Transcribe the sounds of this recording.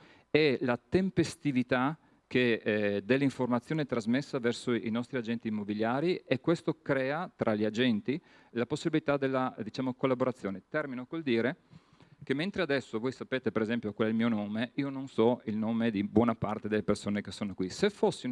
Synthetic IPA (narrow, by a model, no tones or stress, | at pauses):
ɛlat̪empest̪ivit̪a | k̟ed̪elːiɱformat̪sːjoːnet̪ɾazmesːavɛrsoḭnɔst̪ɾiad͡ʒɛnt̪iːmːobiljaːɾiʔekːwest̪okɾɛːat̪ɾʔalʎiad͡ʒɛnt̪i | laposːibilit̪ad̪elːad̪it͡ʃaːmokolːaboɾat̪sːjoːnet̪ɛrminokold̪iːɾe | k̟emːent̪ɾead̪ɛsːovoːjsapeːt̪epeɾezɛmpjokwalɛilmionoːmeiːononsɔilnoːmed̪ibwɔːnapart̪ed̪elːepersoːnekesːoːnokwisefːosːi